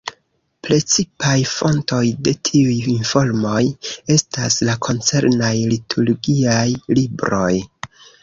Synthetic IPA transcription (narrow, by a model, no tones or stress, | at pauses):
pɾe̞t͡sipajfo̞nto̞jde̞tʰiujinfo̞ɾmo̞je̞staslakʰo̞nt͡se̞ɾnajlitʰuɾɡiajlibɾo̞j